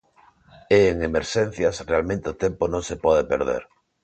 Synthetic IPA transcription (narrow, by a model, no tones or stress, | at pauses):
eːŋemeɾʃẽn̟θjasrealmẽnt̪eot̪emponõŋsepɔð̞epḛɾðḛɾ